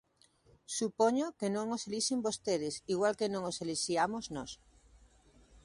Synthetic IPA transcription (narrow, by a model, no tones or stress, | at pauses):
supoɲokenõŋoseliʃembost̪eðesiɣwalkenõŋoseliʃiamoznɔs